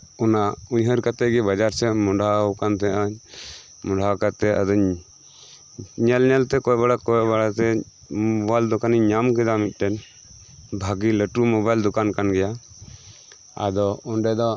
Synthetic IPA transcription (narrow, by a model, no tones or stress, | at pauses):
ɔnauɲɦəɾkat̪ɛɡɛbad͡ʒaɾsɛmɔɖakant̪ɛʔaɲ | mɔ̃ɳɖʱakat̪ɛa̰d̪ɔɲ | ɲɛlɲɛlt̪ɛkɔjbaɽakɔjbaɽat̪ɛ | bald̪ɔkaniɲɲamkɛd̪amit̪̚ˀʈɛn | bʱaɡiləʈumɔbajld̪ɔkankanɡɛja | a̰d̪ɔɔnɖɛd̪ɔ